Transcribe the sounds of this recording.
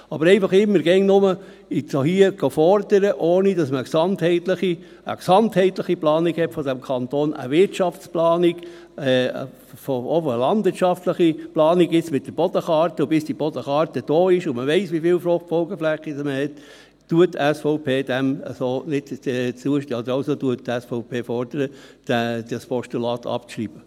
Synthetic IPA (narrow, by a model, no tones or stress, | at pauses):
ɑbəɾɛɪfɑχɪmːəɾɡɛŋnʊmə | ɪsohiəɡ̥ɑfɔɾd̥əɾəʔoːnid̥ɑsməəksɑnthɛɪtləχi | ə̰ksɑnthɛɪtləχiplɑːnikhɛtfɔdæmkʰɑnt̪oːnə̰ʋɪɾtt͡ʃɑft͡splɑːnɪɡ | foofəlɑnd̥vɪɾtt͡ʃɑftləχiplɑːniɡɪt͡smɪt̚d̥əb̥ɔd̥əχɑːɾtəbɪsd̥ib̥ɔdəχɑːɾtəd̥oːɪʃʊməʋɛɪsʋifɪːlfɾʊχtfɔlɡəflɛχidsməhɛt | tuəttɛsfɔʊpeːd̥ɛmə̰soːnɪtɛsuəʃtəɑd̪əɾɑlsotuəttɛsfɔʊpʰeːfɔɾd̥əɾəd̥ɛd̥ɑspʰɔʃtulɑːt̪ʰɑ̰pʃriːb̥ə